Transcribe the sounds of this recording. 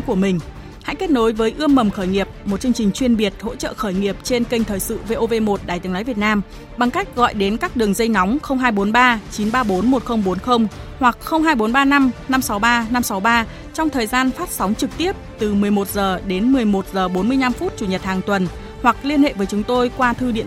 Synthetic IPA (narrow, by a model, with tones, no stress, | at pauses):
ku˧˩əmï˨˩ŋ̟ | ha̰˧˥jke˦˥t̚no˨˦jvəː˨˦jʔɨ˧əmːə˨˩mxəː˧˩jŋi˨˩əp̚mo˨˩t̚t͡ɕɨ˧əŋt͡ɕï˨˩ŋ̟t͡ɕwi˧ənɓi˨˩ət̚ho̰˧˥t͡ɕə̰ː˧˨xəː˧˩jŋi˨˩əp̚t͡ɕe˧nkə˧jŋ̟t̪ʰəː˨˩jsɨ̰˧˨ve˧ʔo˧ve˧mo˨˩t̚ɗaː˨˩jt̪ɨ˨˦əŋnɔ˨˦vi˨˩ət̚naː˧m | ɓa˨˩ŋka˦˥jk̟̚ɣɔ̰˧˨jɗe˨˦nkaː˦˥k̚ɗɨ˨˩əŋzə˧jna˨˦wŋ͡mxə˧wŋ͡mɦaː˧jɓo˨˦nɓaː˧t͡ɕi˨˦nɓaː˧ɓo˨˦nmo˨˩t̚xə˧wŋ͡mɓo˨˦nxə˧wŋ͡m | hwa˨˩k̚xə˧wŋ͡mɦaː˧jɓo˨˦nɓaː˧na˧mna˧msa˨˦wɓaː˧na˧msa˨˦wɓaː˧ | t͡ɕɔ˧wŋ͡mt̪ʰəː˨˩jzaː˧nfaː˦˥t̚sa˨˦wŋ͡mt͡ɕɨ˨˩k̚t̪i˦˥əp̚t̪ɨ˨˩mɨ˨˩əjmo˨˩t̚zəː˨˩ɗe˨˦nmɨ˨˩əjmo˨˩t̚zəː˨˩ɓo˨˦nmɨ˧əjna˧mfu˦˥t̚t͡ɕu˧˩ɲə˨˩t̚haː˨˩ŋt̪wə˨˩n | wa˨˩k̚li˧ənhḛ˧˨vəː˨˦jt͡ɕʊ˨˦ŋ͡mt̪o˧jkwaː˧t̪ʰɨ˧ɗḭ˧˨ə